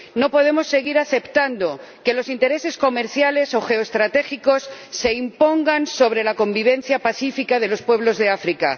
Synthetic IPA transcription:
no̞po̞ð̞e̞mo̞sːe̞ɣ̞iɾaθe̞pt̪and̪o̞ | ke̞lo̞sint̪e̞ɾe̞se̞sko̞me̞ɾθjale̞so̞xe̞oest̪ɾat̪e̞xiko̞sːe̞impo̞ŋɡanso̞βɾe̞lako̞mbiβ̞ẽ̞n̟θjapaθifikaðe̞lo̞spwe̞β̞lo̞zðe̞afɾika̰

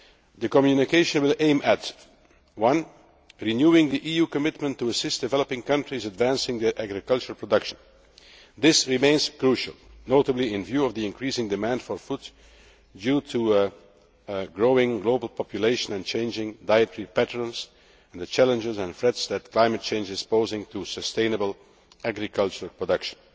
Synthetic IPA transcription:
ðɨkɔmjunɪkeɪʃə̃nwɪlˠʔẽɪ̃mæt | wʌ̃n | ɹinjuɪ̃ŋðiʔijuːkɔmɪtmə̃ntːuəsɪstd̥ɨvɛləpɪ̃ŋkʌ̃ntɹizədvæ̃nsɪ̃ŋd̪iʔæɡɹɪkʌlˠt͡ʃəɹəlˠpʰɹɔdʌkʃə̃n | d̪ɪsɹɪmẽɪ̃nz̥kɹuʃə̰lˠnoʊtəbliɪ̃nvjuːʌvðiɪ̃nkɹisɪ̃ŋdɨmæ̃ndfɔɹfud | djuːtʰu | ɡɹoʊɪ̃ŋɡloʊbəl̩ˠpʰɑpʰjuleɪʃə̃nɛ̃nt͡ʃẽɪ̃nd͡ʒɪ̃ŋdaɪɨtɹipætəɹə̃nz | ɛ̃nðɨt͡ʃælə̃nd͡ʒɪzə̃nfɹɛtsðɨt̚kʰlãɪ̃mɨt̚t͡ʃẽɪ̃nd͡ʒɨz̥poʊzɪ̃ŋtʰusəstẽɪ̃nəbəl̩ˠ | ʔæɡɹɪkʰʌlˠt͡ʃəɹəlˠpʰɹɔdʌkʃə̥̃n

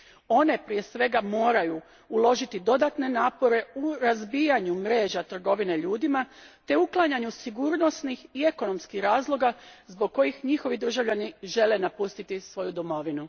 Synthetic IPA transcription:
o̞ne̞pɾije̞sʋe̞ɡamo̞ːɾaju | ulˠo̞ʒit̪id̪o̞d̪at̪ne̞naːpo̞ɾe̞uɾazbijaɲumɾe̞ːʒat̪r̩ɡo̞ʋine̞ʎuːd̪imat̪e̞uklˠaɲaɲusiɡuɾno̞snixie̞ko̞no̞mskixɾaːzlˠo̞ɡazbo̞ɡ̚kːo̞jixɲixo̞ʋid̪ɾr̩ʒaʋʎaniʒe̞le̞napust̪it̪isʋo̞jud̪o̞mo̞ʋinu

